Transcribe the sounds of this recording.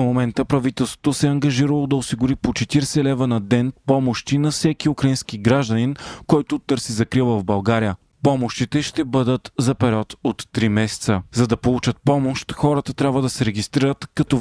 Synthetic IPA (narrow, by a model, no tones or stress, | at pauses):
momɛnt̪əpɾɐvit̪ɛlˠst̪vo̥t̪osɛɐŋɡɐʒiɾɐlˠod̪ɐosiɡʊɾipot͡ʃɛt̪iɾsɛlɛvənɐd̪ɛnpɔmoʃt̪inɐfsɛkiukɾɐinskiɡɾaʒd̪ɐninkɔjt̪ʊt̪ɤɾsizɐkɾilˠəvbɐlˠɡaɾijə | pɔmoʃt̪it̪ɛʃt̪ɛbɤd̪ət̪zɐpɛɾʲiɔt̪ot̪ːɾimɛsɛ̥t̪səzɐd̪ɐpolˠut͡ʃət̪̚pɔmoʃt̪xɔɾət̪ət̪ɾʲabvəd̪ɐsɛɾɛɡist̪ɾiɾət̪kɐt̪ɔ